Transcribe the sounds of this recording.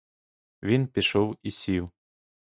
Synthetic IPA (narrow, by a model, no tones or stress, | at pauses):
vʲinpʲiʃɔwisʲiw